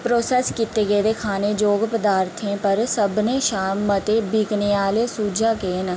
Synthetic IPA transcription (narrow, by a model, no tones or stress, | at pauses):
pɾoːsɛːskit̪eːɡeːd̪eːkʰaːneːd͡ʒoːɡpəd̪aːɾt̪ʰẽːpəɾsəbnẽːʃaːmːət̪eːbʱiːkneaːleːsuːd͡ʒaːkeːn